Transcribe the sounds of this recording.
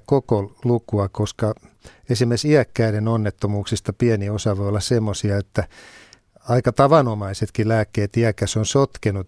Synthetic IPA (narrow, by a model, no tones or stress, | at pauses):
kokolukuɑkoskɑ | esimːersiækːæiɾenonːet̪ːomuːksist̪ɑpiæniosɑʋoiolːɑssemːosiɑet̪ːæ | ɑikɑt̪ɑʋɑnomɑiset̪kilæːkːeːt̪iækːæsonsot̪kenu